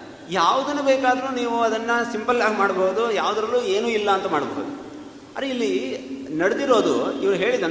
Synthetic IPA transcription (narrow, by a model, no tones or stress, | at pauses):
jaːʋud̪ɐnːubeːkaːd̪ɐɾuːniːʋuɐd̪ɐnːɐsimpɐlaːɡimaːɽboɦud̪ujaːʋud̪ɾɐlːuːe̞ːnuːilːɐːnt̪ɐmaːɽbo̰ɦud̪u | ɐd̪ɾeilːinɐɽd̪iɾo̞ːd̪uiʋɐɾuɦe̞ːɭid̪ɐ